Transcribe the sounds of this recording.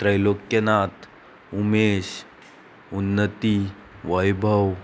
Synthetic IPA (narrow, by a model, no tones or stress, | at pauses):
t̪ɾəjlokjənat̪ | umeɕ | unːət̪i | ʋəjbʱəw